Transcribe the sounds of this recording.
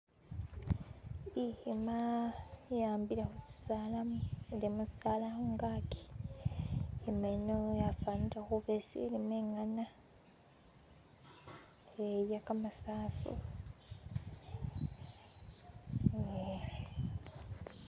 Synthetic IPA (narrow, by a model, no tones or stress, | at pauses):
ihima | jaːmbilaxusi̥saːlamuelimusi̥saːlahuŋɡaki̥ | emenojafaːnitaxuβesḭlimeːŋana | eβjakamasaːfṵ